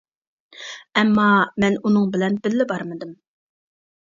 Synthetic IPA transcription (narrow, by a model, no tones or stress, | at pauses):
ɛmːɑmɛnunɨŋbɪlɛnbɪlːɪbɑɾmɨd̪ɨm